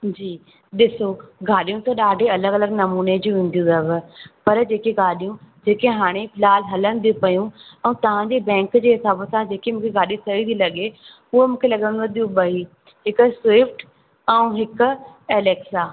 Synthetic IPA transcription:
d͡ʑiː | ɗɪsoɡaːɗijũt̪ɐɗaːɖʱeɐləɡɐləɡnɐmuːned͡ʑiũʋĩːnd̪ijũd̪ɐbɪpɐɾd͡ʑeːkeɡaːɗijũd͡ʑeːkeɦaːɽ̃epʰɪlaːlɦɐləñɪ̃d̪ijũpɐjũɛ̃ːt̪ɐʋ̤ãɲd͡ʑeːbɛ̃ːŋkd͡ʑeːɦɪsaːbsãd͡ʑeːkemũːkʰeɡaːɗijũsɐit̪ʰilɐɠe | ʊɦemũːkʰelɐɠə̃ñd̪ɐd̪ijũɓɐɦi | ɦɪkʊ̆swɪfʈ | ɛ̃ũɦɪkʊ̆eːleːksaː

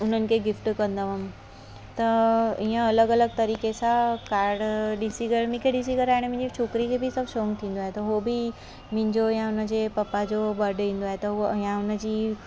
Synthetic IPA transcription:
ʊn̤ənɪ̆kʰeːɡɪfʈkɐ̃nd̪əʋəm | t̪ɐiːə̃ɐləɡɐləɡ̚t̪ɐɾiːkesãkaːɾɖɗɪsiɡɐɽmɪkʰeɗɪsikɐɾaːɪɽ̃mɪ̃ɪ̃ɲd͡ʑit͡ɕʰoːkɪɾikʰeːbisɐbʱʃoːŋɡt̪ʰĩːn̆d̪oaːɦet̪ɐɦobɪ | mɪ̃ɦɪ̃ɲd͡ʑojãʊnə̆d͡ʑepɐpad͡ʑobɐɾɖĩːn̆d̪oaːɦet̪ɐɦujãʊnə̆d͡ʑiː

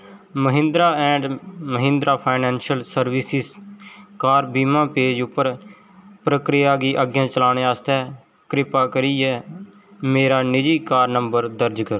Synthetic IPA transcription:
məɦɪ̃nd̪ɾaːɛ̃ːɳɖməɦɪ̃nd̪ɾaːpʰaːɪnɛːnʃəlsəɾʋɪsɪskaːɾbiːmãːpeːd͡ʒʊpːəɾ | pɾəkɾɪjaːɡiːʔəɡjãːt͡ʃəlaːɽ̃eːaːst̪ɛː | kɾɪpaːkəɾiːɛː | meːɾaːnɪd͡ʒiːkaːɾnəmbəɾd̪əɾd͡ʒkəɾoː

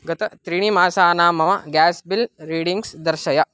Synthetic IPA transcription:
ɡɐt̪ɐt̪ɾiɳ̃imaːsaːnaːmɐmɐɡaːsbilɾiːɽiŋɡsd̪ɐɾʃɐjɐ

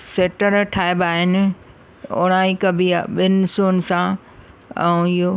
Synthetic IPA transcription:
seːʈəɾʈʰaːeɪbaːɦɪnɪ̆ | ʊ̰ɽ̃ãːɪkɐbʱiaɓɪnɪ̆soːnsã | ɛ̰̃ɪɦo

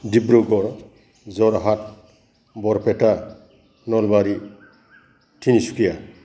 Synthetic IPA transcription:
dibɾoɡɔɾ | zɔɾɦat̚ | bɔɾpʰɛta | nɔlbaɾi | tʰinisu̥kʰija

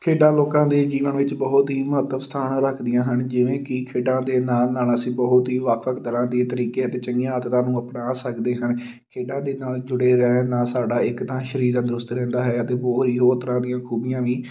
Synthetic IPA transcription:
kʰeːɖãːloːkãːd̪eːd͡ʒiːʋə̃nʋɪt͡ʃbəɦʊt̪ɦiːməɦət̪əʋst̪ʰaːnaɾəkʰd̪ɪjãːɦənd͡ʒɪʋẽːkɪkʰeːɖãːd̪eːnaːlnaːləsĩːbəɦʊt̪ɦiːʋəkʰʋəkʰd̪əɾãːd̪eːt̪əɾiːkeːət̪eːt͡ʃəŋɡjãːət̪t̪ãːnũːəpnaːsəkd̪eːɦən | kʰeːɖãːd̪eːnaːld͡ʒʊɽeːɾɛːnaːsaːɖaːɪkt̪ãːʃəɾiːɾd̪aːd̪ɾʊst̪ɾɛ̃ːnd̪aːɦɛːət̪ẽːboːiːɦoːt̪əɾãːd̪ijãːkʰuːbɪjãːʋiː

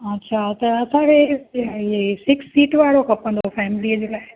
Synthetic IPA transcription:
ɐtːɕʰat̪ɐɐsãkʰe | esɪksːiːʈʋaːɽokʰɐpə̃nd̪ofɛːmɪliəd͡ʑelaːɪ

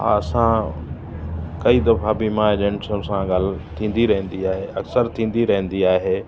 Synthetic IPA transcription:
ɦa̰ːɐsã | kɐid̪ɐfabimãeʄə̃ɳʈsũsãɡaːl̤t̪ʰĩːn̆d̪iɾɐɦə̃n̆d̪iaːɦeɐksəɾt̪ʰĩːn̆d̪iɾɐɦə̃n̆d̪iaːɦeː

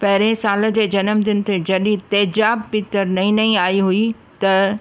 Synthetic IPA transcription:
pɐɦɪɾẽsaːl̆d͡ʑeːd͡ʑɐnəmd̪ɪnɪ̆t̪ed͡ʑɐɗĩt̪ɐːd͡ʑaːb̚pɪt̪əɾnɐĩnɐĩaːiɦui | t̪ɐ

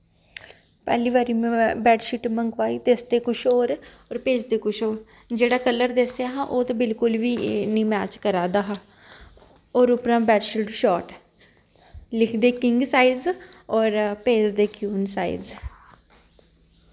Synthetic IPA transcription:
pɛ̰ːliːʋaːɾiːmɛ̃bɛːʈʃiʈməŋɡʋaːiːt̪eːsd̪eːkʊʃʰoːɾɔːɾpeːd͡ʒd̪eːkʊʃoːɾ | d͡ʒeːɽaːkəlːəɾd̪esjaːɦãːʔoːt̪abɪlkʊlʋiːnĩːmɛːt͡ʃkəɾaːd̪aːɦaː | ɔːɾʊpɾãːbɛːʈʃɪʈʃɔːʈ | lɪkʰd̪eːkɪŋɡsaːɪzɔːɾpeːd͡ʒd̪eːkjuːnsaːḭz

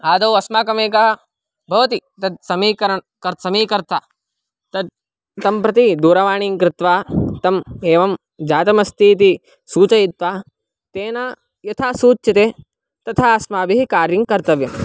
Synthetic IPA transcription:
aːd̪ɐwɐsmaːkɐmeːkɐɦɐ | bʱɐʋɐt̪it̪ɐd̪̚sɐmiːkɐɾɐɳ | kɐɾsɐmiːkɐɾt̪ʰa | t̪ɐd̪̚ | t̪ɐmpɾɐt̪id̪uːɾɐʋaːɳiːŋkɾɪt̪ʋaːt̪ɐmeːʋɐm | d͡ʒaːt̪ɐmɐst̪iːt̪̬i | suːt͡ʃɐjit̪ʋaː | t̪eːnaː | jɐt̪ʰaːsuːt͡ʃʃɐt̪eː | t̪ɐt̪ʰaɐsmaːbiɦikaːɾjiŋkɐɾt̪ɐʋjɐm

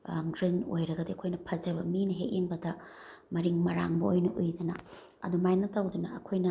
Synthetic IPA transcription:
ɡɾino̰jɾɐɡɐdiɐkʰojnɐpʰɐd͡ʒɐbɐminɐɦeʔeŋbɐdɐ | mɐɾiŋmɐɾaŋbɐojnɐʔujdɐnɐ̰ | ɐ̰dumajnɐtɐwdunɐɐkʰojnɐ

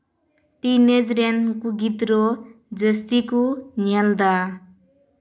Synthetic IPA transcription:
t̪ined͡zɾankuɡit̪rod͡zʌst̪ikonjald̪a

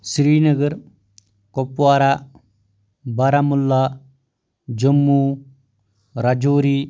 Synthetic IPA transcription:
sɾiːnəɡəɾ | kopwaːɾa | baɾamulːa | d͡ʒɐmːu | ɾad͡ʒoːɾi

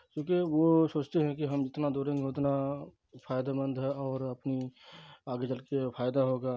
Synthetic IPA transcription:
t͡ʃũːkeʋosoːt͡ʃt̪eɦɛ̃kiɦɐmd͡ʒɪt̪nad̪oːɾẽŋɡɦot̪na | pʰaːjd̪abə̃nd̪ʱɦɛɔːɾɐpni | aːɡet͡ʃɐlkepʰaːjd̪aɦoːɡaː

